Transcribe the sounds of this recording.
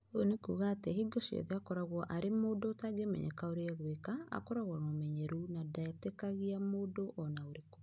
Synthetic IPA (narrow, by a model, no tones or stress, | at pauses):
onekuɣaːtɛhiɡɔsiɔ̰ðeakɔɾaɣwɔʔaɾemoːdotaɡemɛ̰ɲɛ̰kaoɾeaɣwekaa̰kɔɾaɣwɔnomɛɲɛɾunadatɛkaɣiamodoʔɔnaoɾeko̥